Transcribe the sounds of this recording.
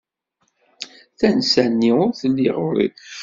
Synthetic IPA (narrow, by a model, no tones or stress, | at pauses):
θænsænːiʊɾθəlːiʁʊɾḭ